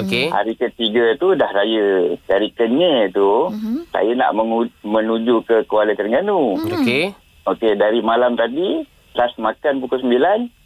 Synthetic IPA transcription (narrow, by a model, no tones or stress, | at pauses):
okeha̰ɾikət̪iɡət̪udahɾajədaɾikəɲet̪usa̰jana̰ʔməŋumə̃nud͡ʒukəkəwalət̪əɾŋɡanuoke | okedaɾimalamt̪adi | lasmakanpukʊlsəmbilan